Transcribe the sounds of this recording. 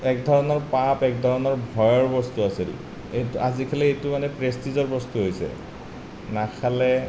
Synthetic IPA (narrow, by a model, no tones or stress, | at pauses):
ɛk̚dʱɔɹɔnɔɹpapɛk̚dʱɔɹɔnɔɹbʱɔjɔɹbɔstuaseɾḭ | etazikʰalɛetumanɛpɹestizɔɹbɔstuɦojsɛ̰ | nakʰalɛ